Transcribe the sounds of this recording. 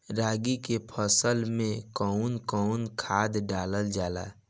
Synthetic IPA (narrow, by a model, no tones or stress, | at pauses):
ɾaːɡikepʰəsəlmẽkəʊnkɔʊnkʰaːd̪ɖaːləld͡ʒaːla̰